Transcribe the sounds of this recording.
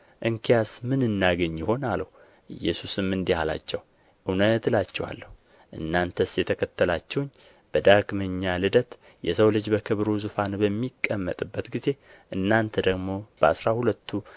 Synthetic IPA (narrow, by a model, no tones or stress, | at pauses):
ʔɨŋkʰijasmɨnɨnːaɡəɲːɪho̞naləhu | ʔɨ̰jːɛ̰susɨmːɨnd̪ihala̰t͡ʃːɛw | ʔɨwnət̪lat͡ʃːɛwa̰lːəhu | ʔɨ̰nːant̪ʰəsjɛt̪ʰəkʰət̪ʰːəlat͡ʃːɛwʊɲː | b̥əd̪aɡməɲːalɨd̪ət̪ | jɛsəwlɨd͡ʒbəkʰɨβɾuzufanbəmːikʼːəmːət̪ʼɨbːət̪ɡize̞ | ʔɨnːant̪ʰəd̪əɡmo̞b̥əa̰sɾahulət̪ʰːu